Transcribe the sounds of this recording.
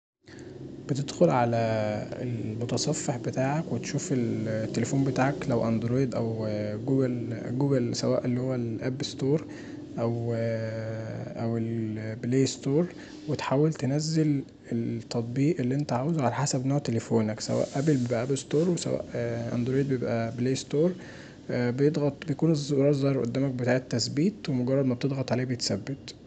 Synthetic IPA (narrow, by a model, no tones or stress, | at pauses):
b̥et̪ed̪̥xolʕalæḛlmot̪ɑsˤɑfːeħbet̪aːʕækwet̪ʃuːfelt̪ːelefuːmbet̪aːʕæklæwʔænd̪ɾoːjed̪ʔæwɡuːɡelɡuːɡelsæwæːʔelːihowːælʔæbst̪oːɾˤ | ʔæw | ʔæwelbleːst̪oːɾˤ | wet̪ħaːwːelt̪enæzːel | elt̪ːɑt̪ˤbiːʔelːiʔent̪æʕaːwezuʕalæħasæbnoːʕt̪elefoːnæksæ̰wæ̰ːʔʔæbelbebʔæʔæbelst̪oːɾˤwesæ̰wæ̰ːʔʔæ̰nd̪ɾeːd̪̚bejebʔæbleːjst̪oːɾˤ | bejed̪ˤɣɑt̪ˤbejækuːnɾˤɑːɾzˤːɑhɾʔo̰d̪ːæːmæk̚bet̪aːʕet̪ːæsbiːt̪wemoɡɑɾrˤːɑd̪mæb̚t̪ed̪ˤɣɑt̪ˤʕaleːhbejet̪sæbːet̪